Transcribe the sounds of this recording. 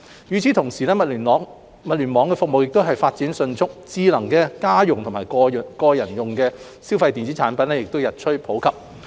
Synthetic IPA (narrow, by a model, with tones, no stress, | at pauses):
jyː˨˧t͡sʰi˨˥t̪ʰʊ˨˩ŋsiː˨˩lɛː˥mɐ˨ly˨˩nɔː˨˥ŋ | mɐ˨t̚lyː˨˩nmɔː˨˧ŋkɛː˧fʊ˨k̚mo˨wjɪ˨k̚t̪wɦɐ˨jfaː˧t̚t͡siː˨˥nsɵ˧nt͡sʰʊ˥k̚t͡siː˧lɐ˨˩ŋkɛː˧kaː˥jʊ˨ŋt̪ʰʊ˨˩ŋmaː˨˩jkɔː˧˨˩kɔː˧jɐ˨˩njʊ˨ŋkɛː˧ | si˥wfɐ˧jt̪iː˨nt͡si˨˥t͡ʃʰaː˨˥npɐ˨˥nlɛː˥jɪ˨k̚t̪o˥wjɐ˨t̚t͡ʃʰɵ˥pʰo˨˥wkʰɐ˨p̚